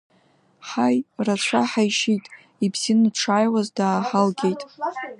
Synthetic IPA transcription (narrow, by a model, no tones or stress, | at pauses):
ħajrat͡ɕʷʰaħajʃitʼ | ibz̥inʈ͡ʂʰaːjwazdaːħalɡʲe̞jtʼ